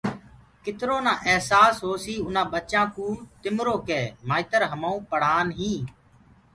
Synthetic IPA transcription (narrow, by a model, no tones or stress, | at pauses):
kɪt̪ɾoːnãːʔɛɦsaːsɦoːsiːʊnãːbətːt͡ʃãːkũːt̪ɪmɾoːkeːmaːɪt̪əɾɦəmãːũːpəɽ̤aːnɦĩː